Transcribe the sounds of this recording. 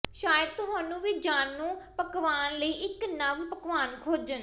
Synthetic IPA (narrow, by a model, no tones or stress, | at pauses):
ʃʃaːjəd̪̚t̪ʊɦaːnũːʋid͡ʒaːnːũːpəkʋaːnləiːʔɪknəʋpəkʋaːnkʰoːd͡ʒən